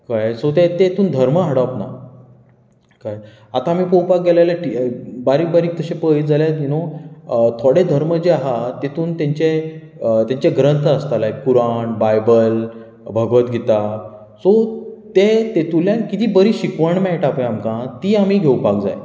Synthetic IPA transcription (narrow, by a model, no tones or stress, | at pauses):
kajsot̪̬et̪et̪uːnd̪ʱəɾməɦaɽapna̰ | kaj | at̪aːmiːpəwpak̚ɡelajlaʈibaɾiːk̚baɾiːk̚t̪əɕẽpəjd͡zaljat̪ino | t̪ʰoɽed̪ʱəɾməd͡ʑeaɦat̪et̪uːnt̪ẽɲt͡ɕe | t̪jãɲt͡ɕeɡɾənt̪ʰəəst̪alaekuɾaɳbajbəl | bʱəɡʋət̪ɡʱet̪a | sot̪et̪et̪uljankit̪iːbəɾiːɕikʋəɳmɛ̃ʈapẽamkãt̪iːamiːɡʱewpak̚d͡za̰j